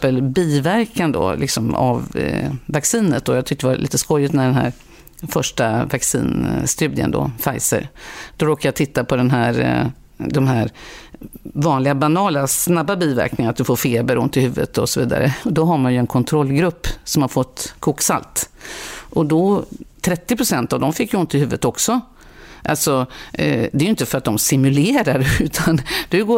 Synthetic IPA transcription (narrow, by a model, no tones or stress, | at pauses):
pəlbiːvæɾkʰand̪ɔ̰lʔɪksɔma̰vvaksiːnət̪̚d̪ɔjɑt̪ʰʏk̚t̪ɛva̰ʔḭːt̪əskɔjɪt̪næɖɛnɦæ̰ːɾ | fœʂʈavaksḭːnst̪ʉ̟ːd̪ɪə̰nd̪ɔ̰fajsə̰ɾd̪̥ɔɾoːkaɾjat̪ʰɪt̪ːapʰɔd̪ɛnɦæɾ | d̪ɔmɦæɾ | vɑːnlɪɡabanɑːlasnabːabiːvæ̰ɾknɪŋaɾat̪d̪ɵfoːɾfeːbəɾʊ̰nt̪ːɪlhʉ̟ːvə̰t̪ʰɔsɔvḭːd̪a̰ɾə̰ɔd̪ɔɦaɾmanjɵɛnkʰɔnt̪ʰɾɔlːɡɾɵpːsɔmhaɾfɔt̪ːkʰuːksa̰lt̪ | ʔɔd̪ɔt̪ʰɾɛt̪ːɪpɾʊsɛnt̪avd̪ɔmfɪkːjʊnt̪ːɪlhʉːvət̪ɔksɔ | ʔa̰lsɔ | d̪ɛːɾjʏɪnt̪əfœɾat̪̚d̪ɔmsɪmɵleːɾaɾʉ̟ːt̪ʰand̪ɛɡoː